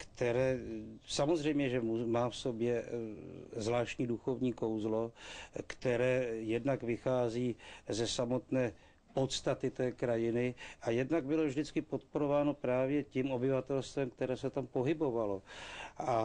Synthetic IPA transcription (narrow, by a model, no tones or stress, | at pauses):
kt̪ɛɾɛːsamozrɛjmɲɛʒɛmumaːfso̞bjɛ | zvlaːʃcɲiːduxo̞vɲiːko̞wzlo̞kt̪ɛɾɛːjɛdnakvɪxaːziːzɛsamo̞t̪nɛː | po̞t̪st̪at̪ɪt̪ɛːkɾajɪnɪʔajɛdnaɡ̚bɪlo̞vʒdɪt͡skɪpo̞t̪̚po̞ɾo̞vaːno̞pɾaːvjɛcimo̞bɪvat̪ɛlst̪vɛmk̚t̪ɛɾɛːsɛt̪ampo̞ɦɪbo̞valo̞ʔa